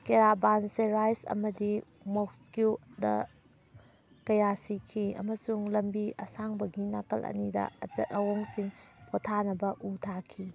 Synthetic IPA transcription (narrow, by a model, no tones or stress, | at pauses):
keɾabanseɾajsɐ̰mɐdi | mokskudɐ̰ | kɐjasikʰiɐ̰mɐsuŋlɐmbiɐsaŋbɐɡinakɐlʔɐ̰nidɐ̰ɐt͡ʃɐ̰t̚ɐwoŋsiŋpʰotʰanɐbɐʔutʰakʰi